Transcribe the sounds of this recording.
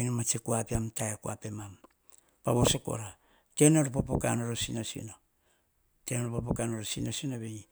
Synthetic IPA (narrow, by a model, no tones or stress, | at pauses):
jnomat͡ʃekuapiamtajakua̰pe̞mam | paβo̞soko̞̰ɾa | te̞noɾopopo̰ka̰noɾosinosḭno | tenoɾopop̬okanoɾosinosinoβe